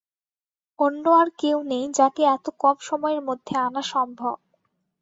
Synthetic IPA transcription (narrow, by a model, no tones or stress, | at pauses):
onːoaɾkewnejd͡ʑaʈiɛt̪okɔmʃɔmɔeɾmod̪ʱːeanaʃɔmbʱob̚